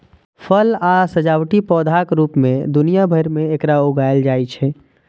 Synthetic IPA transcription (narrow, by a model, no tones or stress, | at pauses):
pʰəlasəd͡ʒawʈipɔːd̪ʱakɾuːpmẽd̪unijabʱəɾmẽekɾaoɡajld͡ʒaːit͡ʃʰɛ